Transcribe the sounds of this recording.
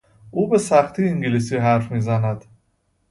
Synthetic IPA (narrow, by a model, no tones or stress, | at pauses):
ʔuːbesæχt̪ʰiːiŋɡilis̬iɦæɾfmiːzænæd̪̥